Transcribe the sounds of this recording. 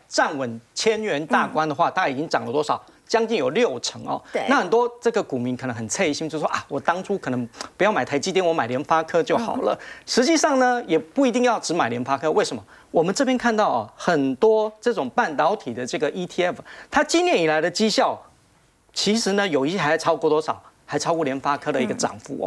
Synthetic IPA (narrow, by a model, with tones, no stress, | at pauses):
ʈ͡ʂa˥˩nwə˨˩nt͡ɕʰjɛ˥nɥɛ˧˥nt̪a˥˩kwa˥nd̪ə˨xwa˥˧t̪a˥˧ka˥˩i˨˩t͡ɕi˥ŋʈ͡ʂɑ˨˩ŋlə˦t̪wɔ˥ʂɑ˨˩ʊ | t͡ɕjɑ˥ŋt͡ɕi˥˩ŋjo˨˩ʊljo˥˩ʊʈ͡ʂʰɤ˧˥ŋɐ̰˨na˥˩xə˨˩nt̪wɔ˥ʈ͡ʂɤ˥˩ɡə˩ku˨˩mi˧˥ŋkʰə˨˩nɤ˧˥ŋxə˨˩nt͡sʰe˥˧i˥˩ɕi˥ŋt͡ɕjo˥˩ʂʔa˥˩wɔ˨˩t̪ɑ˥ŋʈ͡ʂʰu˥kʰɤ˨˩nɤ˧˥ŋpu˧˥jɑ˥˩ʊma˨˩ɪtʰa˧˥ɪt͡ɕi˥t̪jɛ˥nwɔ˧˥ma˨˩ɪljɛ˧˥nfa˥kʰɤ˥t͡ɕjo˥˩ʊxɑ̰˨˩ʊlə̰˦ʂɻ̩˧˥t͡ɕi˥˧ʂɑ˥˩ŋnə˩jɛ˨˩pu˥˩i˧˥t̪i˥˧ŋjɑ˥˩ʊʈ͡ʂɻ̩˧˥ma˨˩ɪljɛ˧˥nfa˥kʰɤ˥we˥˩ɪʂə˧˦mə˧ | wɔ˨˩mə˦nʈ͡ʂɤ˥˩pjɛ˥nkʰa˥˧nt̪ɑ˥˩ʊɐ̰˨˩xə˨˩nt̪wɔ˥ʈ͡ʂɤ˥˩ʈ͡ʂʊ˨˩ŋpa˥˩nt̪ɑ˧˥ʊt̪ʰi˨˩d̪ə˦ʈ͡ʂɤ˥˩ɡə˩ʔi˥t̪ʰi˥ɛ˥˩ft̪ʰa˥t͡ɕi˥˧njɛ˥˩ni˨˩la˨˧˥ɪd̪ə˧t͡ɕi˥ɕjɑ˥˩ʊ | t͡ɕʰi˧˥ʂɻ̩˧˥nə˧jo˨˩ʊi˧˥jɛ˥xa˧˥˩ʈ͡ʂʰɑ˥ʊkɔ˥˩t̪wɔ˥ʂɑ˨˩ʊxa˧˥ɪʈ͡ʂʰɑ˥ʊkwɔ˥˩ljɛ˧˥nfa˥kʰɤ˥d̪ə˨i˧˥ɡə˨˧ʈ͡ʂɑ̰˨˩ŋfṵ˧˩˦